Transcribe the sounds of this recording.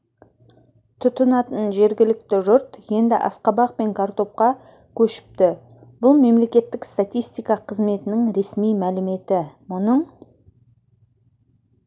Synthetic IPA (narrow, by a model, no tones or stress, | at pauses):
t̪ʰʊt̪ənɑt̪ənʒe̞ɾɡʲɪlɪkt̪ɪʒʊɾt̪je̞nd̪ɪ̰ʔɑ̰sqɑbɑq̚pe̞ŋkʰart̪o̞p̚qɑ | kʲʰɵʃɪ̥p̚t̪ɪ | bʊlˠme̞mle̞kʲe̞t̪ːɪkst̪at̪ijst̪ijkɑqʰəzme̞t̪ɪnɪŋɾe̞smijmælɪme̞t̪ɪmʊnəɴ